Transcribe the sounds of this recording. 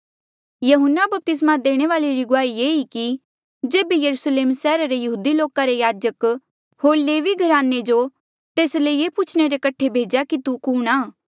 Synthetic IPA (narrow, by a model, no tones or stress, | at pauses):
jɐɦʊnːabɐp̚t̪ɪs̬mãd̪eːɽ̃eʋaːleɾiɡʊaːieːiki | d͡ʒeːbejɐɾuːsleːmsɛːɾaɾejɐɦuːd̪iloːkaɾejaːd͡ʒək | hoːɾleːʋiɡʱɐɾaːnːed͡ʒo | t̪eːsleieːput͡ʃʰɽ̃eɾekəʈʰːebʱeːd͡ʒakit̪ukuːɽ̃aː